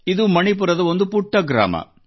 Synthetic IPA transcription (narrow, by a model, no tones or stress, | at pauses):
ɪðɯmɐɳip̬ʊɾɐðɐɔnd̪ɯpʊʈːɐɡɾa̰ːmɐ̰